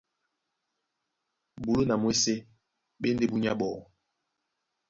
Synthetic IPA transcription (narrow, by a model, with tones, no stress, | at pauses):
bu˨lo˦na˨mwe˦se˦ | ɓe˦n˦de˦bu˦ɲa̰˦ɓɔ˨